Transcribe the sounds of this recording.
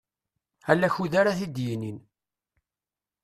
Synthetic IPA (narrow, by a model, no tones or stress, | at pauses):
ælːæçuðaɾaθid̪jinin